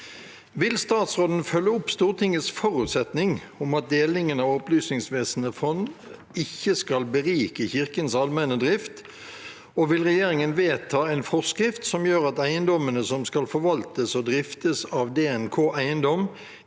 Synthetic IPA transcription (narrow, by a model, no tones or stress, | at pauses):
ʋɪlst̪ɑːt̪sʁoːd̪n̩fœlːəʊpst̪uːʁt̪ʰɪŋəsfɔʁʉːt̪sɛt̪nɪŋ | ʊmɑt̪̚d̪eːlɪŋənɑʋɔplyːsnɪŋsʋeːsənəfɔn | ɪçːəskɑlbəʁiːkəçɪʁkənsɑlmɛnəd̪ʁɪft̪ | ɔʋɪlʁɛjeːɾɪŋənʋeːt̪ʰɑːɛnfɔʁskʁɪft̪sɔmjøːɾʁɑt̪æɪənd̪ɔmənəsɔmskɑlfɔʋɑlt̪əsɔd̪ɾɪft̪əsɑʋd̪eːɛnkʰoːʔæɪənd̪ɔm